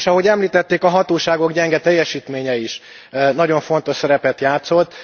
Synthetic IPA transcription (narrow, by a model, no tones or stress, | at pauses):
ʃɒɦo̞ɟɛmliːt̪ɛt̪ːeːkɒɦɒt̪oːʃaːɡo̞ɡɟɛŋɡɛt̪ɛjːɛʃiːt̪meːɲɛiʃ | nɒɟo̞ɱfo̞nt̪o̞ʃsɛɾɛpɛt̪jaːt̪so̞t̪ː